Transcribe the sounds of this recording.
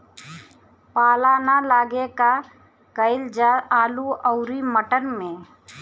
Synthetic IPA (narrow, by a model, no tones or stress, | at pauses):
paːlanalaːɡeka | kəɪld͡ʒaaːluəʊɾiməʈənmẽ